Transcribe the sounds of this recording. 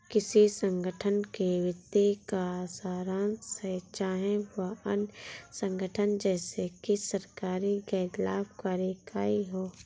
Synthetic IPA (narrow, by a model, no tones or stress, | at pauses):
kɪsisə̃ŋɡʱəʈʰənkeʋɪt̪ːikasaːɾanset͡ʃaːɦẽʋaə̰nsə̃ŋɡʱəʈʰənd͡ʒɛːsekisəɾkaːɾiɡɛːt̪laːbkaːɾjekaːiɦoː